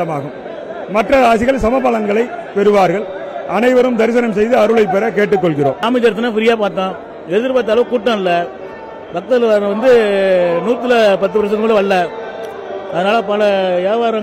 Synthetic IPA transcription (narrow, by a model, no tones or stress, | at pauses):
ɐmaːɣɯmː | ɐʈrɐaːs̬ɪɣɐɭsɐmɐpːɐlɐŋɡɐɭɐɪpɛɾɯʋaːɾɣɐɭɐnɐɪʋɐɾɯmd̪ɐɾɪs̬ɐnɐms̬ɛjðɯɐɾɯɭɐɪpːɛɾɐkeːʈːɯkːɔɭɣɪɾo̰ːmaːmɪt͡ʃɐɾt̪ːɪnːaːfɪɾɪjaːpaːɾt̪ːãː | ɛðɪɾpaːt̪̬ːaːlɐʋɯ̃kuːʈːɐ̃ɪlːɐ | bɐk̚t̪ɐlʋɐ̃ʋɐnd̪ɯnuːt̪ːɪlɐpɐt̪ːɯpɐɾɐs̬ɐnmɐlɯʋɐɭːɐ | ɐðɐnaːlɐpɐlɐjaːʋaːɾɐ